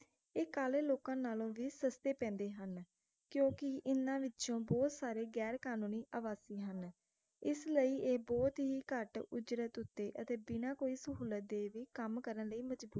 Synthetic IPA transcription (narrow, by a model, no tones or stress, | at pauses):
eːkaːleːloːkãːnaːlõːʋiːsəst̪eːpɛ̃ːnd̪eːɦən | kjõːkɪʔɪnːãːʋɪtːʃõːbɔːt̪saːɾeːɡɛːɾkaːnũːniːʔaːʋaːsiːɦən | ɪsləiːeːbɔːt̪ɦiːkəʈʊd͡ʒɾət̪ʊt̪ːeːʔət̪eːbɪnãːkoːiːsəɦuːlət̪̚d̪eːʋiːkəmkəɾənləiːməd͡ʒbuː